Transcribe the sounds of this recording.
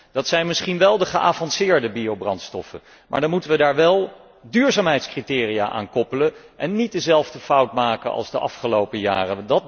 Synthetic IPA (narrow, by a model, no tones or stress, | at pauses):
d̥ɑtsɛjnmɪsχinʋɛlˠdəχəʔaːvɑnsɪːɹdəbiowbrɑntstɔ̰fə̰ | mʔa̰ːɹdɑnmutəʋədaːɹʋɛlˠ | dyːɹzaːmɦɛjtskritɪːrijaːʔa̰ːnkɔpələn | ʔɛnːit̚dəzɛlˠvdəfʌwtmaːkənʔɑ̰lˠzdəʔɑ̰fχəlowpəja̰ːrədɑt̚